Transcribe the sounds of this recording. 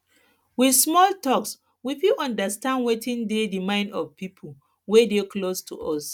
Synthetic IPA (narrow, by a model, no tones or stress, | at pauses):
wismɔltɔks | wifuʔɔ̃ndastãndwetĩndedimãɪ̃ndɔ̰vpʰipʰo | wedeklostʰṵɔs